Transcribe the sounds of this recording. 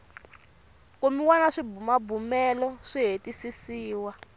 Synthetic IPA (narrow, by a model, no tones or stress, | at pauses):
komiwanaʂibumabumɛlɔʂiɦetisisiːwa